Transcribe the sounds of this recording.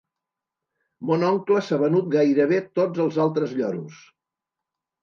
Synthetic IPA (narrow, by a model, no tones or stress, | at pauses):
monɔŋkləsaβənut̪̚ɡajɾəβ̞et̪od͡zəlˠzalˠt̪ɾəzʎɔɾus